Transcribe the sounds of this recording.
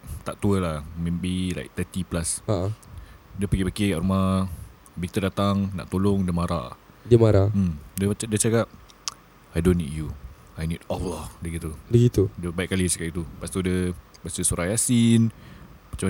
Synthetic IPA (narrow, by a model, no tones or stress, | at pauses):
t̪aʔt̪uəlahmebila̰jk̚t̪ət̪iplasaʔadəpəɡibakekaʔɾuma | bik̚t̪ədat̪aŋna̰ʔt̪olɔŋdəmaɾa̰ʔdəmaɾamdədət͡ʃakap̚ | ajdonːitju | ajnidɔladəɡit̪udəɡit̪udəbaiʔ̚kalisḁkaʔ̪it̪upast̪udə | bat͡ʃəsuɾajasinmat͡ʃa